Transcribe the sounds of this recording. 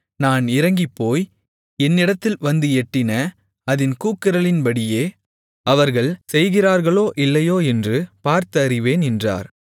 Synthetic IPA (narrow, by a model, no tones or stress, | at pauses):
naːnɪɾɐŋɡɪpːoːj | ɛnːɪɽɐt̪ːɪlʋɐnd̪ɯɛʈːɪnɐ | ɐðɪnkuːkːɪɾɐɭɪnbɐɽɪjeː | ɐʋɐɾɣɐɭsɛjɣɪraːɾɣɐɭoːʔɪlːɐjoːɛndrɯpaːɾt̪ɐɾɪʋeːnɛndra̰ːɾ